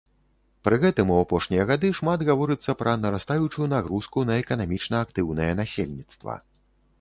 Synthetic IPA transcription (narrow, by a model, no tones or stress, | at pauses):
pɾɨɣɛt̪ɨmuapɔʂnʲijɐɣad̪ɨʂmad̪ɣavɔɾɨt̪sːɐpɾʔɐnɐɾast̪ajut͡ʂujunaɣɾuskunɐɛkɐnamʲit͡ʂnɐːkt̪ɨwnɐjɛnasʲelʲnʲit̪st̪vɐ̰